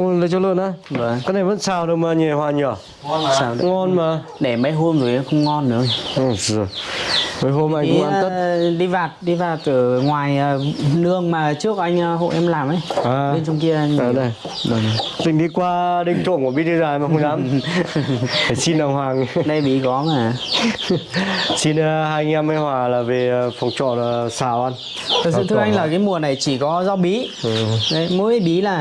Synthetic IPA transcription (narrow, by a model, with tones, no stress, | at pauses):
lə˨˦t͡ɕɔ˧lɨ̰˧˨ənʔaː˨˧˦və˨˩kaː˨˦na˧jvə̰˧˥nsaː˧˩wɗə˨˧wmaː˨˩ɲe˨˩hwaː˨˩ɲɔː˧˩˨ | saː˧˩˦ŋɔ˧nmaː˨˩ | ɗe˧˩ɓa˨˦jɦo˧mzo˨˩jʔa˧˦xə˧wŋ͡mŋɔ˧nːɨ̰˧˥ə˨˧˨ | jvəː˨˦jɦo˧mʔa˧jŋkaː˧t̪ə˦˥tɗi˧vaː˨˩t̚ɗi˧vaː˨˩t̚t̪ɨ˨˩ŋwaː˨˩jəː˨˩nɨ˧˩əŋmaː˨˩t͡ɕɨ˦˥ək̚ʔa˧jŋ̟˧ɦo̰˧˨ʔɛ˧mlaː˨˩mʔə˨˦jʔaː˨ɓe˧nt͡ɕɔ˧wŋ͡mki˧əʔa˧jŋː˧˨˩ɗə˧˩ | ɗə˨˧˩t̪ï˨˩ŋ̟ɗi˧˦kwaː˧ɗï˧ŋt͡ɕo̰˧˩ku˧˩ɓi˧˦˥ɨ˧zaː˧˩˨ma˨˩hə˧ŋ͡mzaː˨˦m | aː˧˩si˧nɗa˨˩ŋ͡mhwaː˨˩ŋɗə˧jɓi˨˦kɔ˨˦maː˨˩ | si˧nː˧haː˧jŋ˧ɛ˧ma˧jhwaː˨˩laː˨˩ve˨˩fɔ˨˩wŋ͡mt͡ɕɔ̰˧˩˨saː˧˩wʔa˧n | t̪ʰə˨˩k̚ssɨ̰˧˨t̪ʰɨ˧˥ʔa˧ŋ̟laː˨˩kaː˨˦jmu˨˩əna˨˩jt͡ɕi˧˩kɔ˨˦za˧wɓi˨˦˨ | ə˨˦mə˨˦ə˨˧˦ɓi˨˦laː˨˩